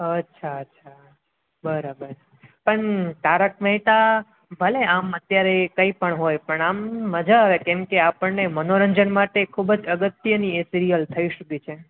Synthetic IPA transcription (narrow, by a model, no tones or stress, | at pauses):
ətːʃʰaətːʃʰa | bəɾabəɾ | pəɳt̪aɾək̚məɦiʈ̪a | bʱəleamət̪jaɾekə̃ipəɳɦojpəɳamːəd͡ʒʱaəʋekɛ̃mkeapəɳːemənoɾəɲd͡ʒənmaʈekʰubd͡ʒəɡət̪jəniesiɾijəlt̪ʰəiʃukit͡ʃʰe